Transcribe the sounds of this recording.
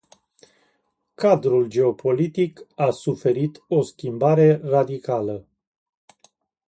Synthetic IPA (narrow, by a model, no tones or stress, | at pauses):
kad̪ɾuld͡ʒe̞o̞pʰo̞lit̪ikasufe̞ɾit̪o̞skʲimbaɾe̞rad̪ikalə